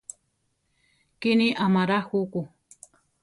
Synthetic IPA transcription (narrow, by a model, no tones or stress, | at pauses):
kiniʔamaɾahuku